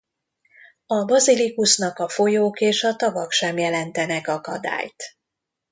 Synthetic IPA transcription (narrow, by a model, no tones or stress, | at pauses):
ɒbɒzilikusnɒkɒfo̞joːkeːʃɒt̪ɒvɒkʃɛmjɛlɛnt̪ɛnɛkɒkɒ̰d̪a̰ːjt̪